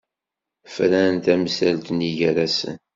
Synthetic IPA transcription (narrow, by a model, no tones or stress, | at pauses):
fɾænt̪æmsælt̪niʝæɾæsə̰n